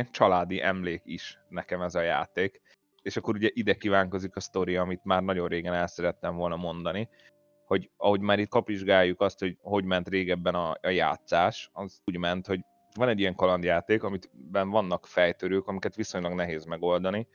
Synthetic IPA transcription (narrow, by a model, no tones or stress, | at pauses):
nt͡ʃɒlaːd̪iʔɛmleːkiʃnɛkɛmɛzɒja̰ːt̪eːk | eːʃɒkːo̞ɾuɟɛʔid̪ɛkivaːŋko̞zikɒst̪o̞ɾijɒmit̪maːrnɒɟo̞nreːɡɛnɛlsɛɾɛt̪ːɛɱvo̞lnɒmo̞nd̪ɒni | ho̞ɟɒɦo̞ɟmaːɾiːt̪̚kɒpʋiʒɡaːjːukɒst̪ho̞ɟho̞ɟmɛnt̪reːɡɛbːɛnɒja̰ːt̪saːʃɒzuːɟmɛnt̪ho̞ɟ | vɒnɛɟːijɛŋkɒlɒnd̪jaːt̪eːkɒmit̪bɛnvɒnːɒkfɛjt̪øɾøːkɒmikɛt̪ʋiso̞ɲlɒɡnɛɦeːzmɛɡo̞ld̪ɒni